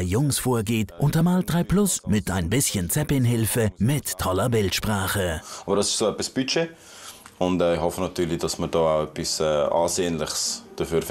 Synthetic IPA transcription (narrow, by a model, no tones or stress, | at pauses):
ɪjʊŋsfoːɐɡeːtʔʊntɐmaːld̥ʁaɪpʰlʊsmɪtaɪnbɪsçənt͡sɛpɪnɦɪlfəmɪtʰːɔlɐbɪltʃpʁ̥aːχəɑːbəɾdɑsɪʃsoːɛpisb̥yt͡ʃe | ʊndɛːɪhɔfənɑtyːɾlid̥ɑsməɾd̥ɔːaʊɛpisɛːa̰ːseːənlɪχsd̥əfyːɾf